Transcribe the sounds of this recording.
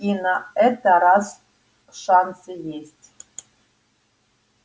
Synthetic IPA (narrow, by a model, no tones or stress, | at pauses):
inɑɛt̪ɑɾɑs | ʂɑnsɨjesʲtʲ